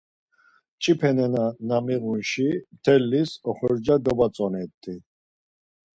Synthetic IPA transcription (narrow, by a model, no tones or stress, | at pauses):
t͡ʃʼipʰɛnɛnanamiɣunʃimt̪ʰɛlːisɔχɔɾd͡ʒad̪ɔbat͡sʼɔnɛt̪ʼːi